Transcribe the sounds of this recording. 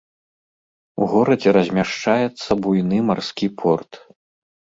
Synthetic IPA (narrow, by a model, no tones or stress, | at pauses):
uɣɔɾɐd͡zʲɛɾɐzʲmʲaʂt͡ʂajɛt̪sːɐbujnɨmarskʲipʰɔrt̪